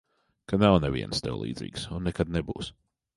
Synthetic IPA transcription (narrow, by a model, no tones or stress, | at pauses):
kʰad̪nawnɛvḭɛ̰̃nst̪ɪ̰lˠḭːd̪zḭːɡsʊ̃nːɛkad̪̚nɛbṵːs